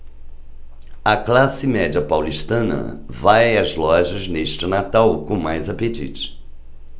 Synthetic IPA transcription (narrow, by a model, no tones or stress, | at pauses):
ɐklasɪmɛd͡ʒɐpawliʃt̪ɐ̃nɐ̰vajɐzlɔʒɐzneʃt͡ʃɪnat̪awkõmajzapet͡ʃḭt͡ʃɪ̥